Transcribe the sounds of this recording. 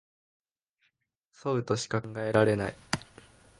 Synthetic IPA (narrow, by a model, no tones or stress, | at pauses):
soɯ̟t̪o̞ɕi̥kaŋɡae̞ɾaɾe̞nai